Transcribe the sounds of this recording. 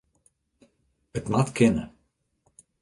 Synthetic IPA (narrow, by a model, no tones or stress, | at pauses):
ətmatkʰɪnə